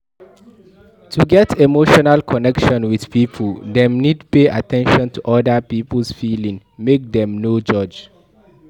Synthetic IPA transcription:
tʰuɡɛtʰemoʃɔnalkʰɔnɛkʃɔ̃nwið̥piːpʰəldɛ̃mnidpeʔa̰tʰɛ̃nʃɔ̃ntʰuʔɔdapipl̩sfilĩŋ | mek̚dɛ̃mnod͡ʒʌd͡ʒ

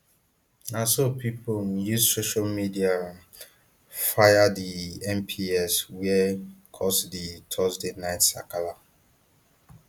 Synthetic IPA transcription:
nasopʰipojuzsoʃalmidiaɹãm | fajadiɛ̃mpʰiɛswɛkʰɔsditʰɔzdenaɪtsa̰kala

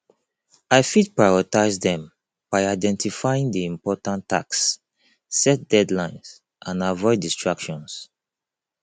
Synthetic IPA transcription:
aɪfit̚pɹajɔtazdɛ̃m | b̥aɪaɪdɛ̃ntifaɪĩŋdiĩmpɔtãntʰːa̰ksː | ɛt̚d̥ɛdlãɪ̃ns | ʔãnavɔɪdistɹakʃɔ̃ns

